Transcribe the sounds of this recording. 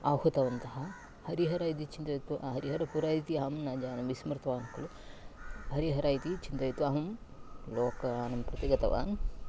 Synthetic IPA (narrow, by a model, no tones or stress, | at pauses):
aːhut̪ɐʋɐnt̪ɐɦɐ | hɐɾiɦɐɾaːjt̪̬it͡ʃint̪ɐjt̪ɦɐɾiɦɐɾɐpuɾaːjit̪iɐɐmnaːd͡ʒaːnɐmʋismɾt̪ɐʋaːnkɐlu | ɦɐɾiɦɐɾaːjt̪it͡ʃint̪ɐjit̪uʋaːɦɐmloːkɐaːnɐmpɾɐt̪iɡɐt̪ɐʋa̰ːn